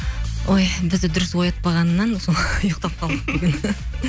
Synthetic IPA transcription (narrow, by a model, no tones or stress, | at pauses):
ojbɪzd̪ɪd̪ʊɾɪswo̞jɑt̪̚pɑʁɑnːɑnsojoqt̪ɑp̚qʰɑlˠd̪əqd̪eɡʲn